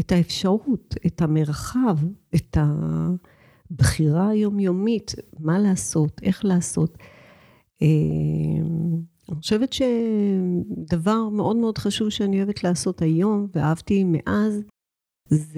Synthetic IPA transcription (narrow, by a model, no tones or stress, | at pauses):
etaefʃaʁutetame̞ʁχavetʰa | bχiʁaːjo̞mjomitmalaːso̞tʰʔe̞χlaːso̞t | e | aniχoʃe̞vetʃe̞ | davaʁme̞ʔo̞dme̞odχaʃuvʃeaniojevetlaːso̞tajo̞mveahavtimḛʔaz